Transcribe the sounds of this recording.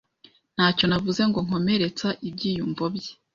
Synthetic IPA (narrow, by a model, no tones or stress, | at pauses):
n̥haːco̞navuze̞ŋɡo̞ŋ̥o̞me̞ɾe̞t͡saʔib̚ɟiːjumvobɟe